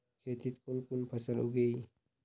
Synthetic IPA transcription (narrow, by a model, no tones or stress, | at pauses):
kʰeːt̪it̪kunkʊnpʰəsəlṵɡei